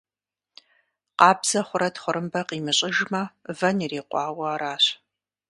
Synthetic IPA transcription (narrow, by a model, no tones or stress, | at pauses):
qɑːbz̥ɐχʷʊɾɐtχʷʊɾɨmbɐqiːmɨɕʼɪʒmɐvɐniriːqʷʼɑːwɐːɾaːɕ